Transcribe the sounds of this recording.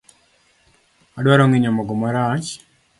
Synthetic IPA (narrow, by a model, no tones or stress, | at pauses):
adwaɾoŋiɲamɔɡɔmaɾat͡ʃ